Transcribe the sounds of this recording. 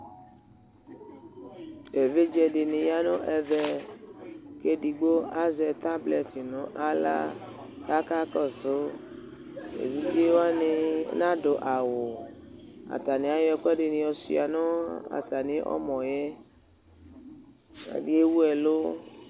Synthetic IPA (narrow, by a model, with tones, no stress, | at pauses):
ɛ˨ve˦d͡ʒɛ˧ɖɪ˨nɪ̃˧ja˦nʊ̃˦ʔɛ˨vɛ˦ | ke˦di˨ɡ͡bo˦a˦zɛ˨t̪a˦blɛ˨ti˨nʊ̃˨˦ʔa˦la̰˦ | ka˦ka˦kɔ˦˨sʊ˨˦ | ḛ˨vi˦di˦wa˦nɪ̃˧˦nã˦do˨ʔa˨wʊ˨ | a̰˨t̪a˨nĩ˨˦a˦jɔ˧kɛ˦ɖɪ˨nɪ̃˧ɔ˧sḭ˦a˨nʊ̃˦a̰˨ta˨nɪ̃˨˦ʔɔ̰˦mɔ̃˨jɛ˦ | a̰˨di˦e˦wu˦ɛ˨lo˦